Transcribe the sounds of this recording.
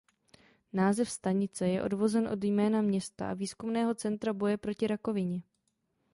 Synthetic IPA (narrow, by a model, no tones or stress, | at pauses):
naːzɛfst̪aɲɪt͡sɛjɛʔo̞̰dvo̞zɛnʔo̞djmɛːnamɲɛst̪a̰ʔa̰viːskumnɛːɦo̞t͡sɛnt̪ɾabo̞jɛpɾo̞cɪɾako̞vɪɲɛ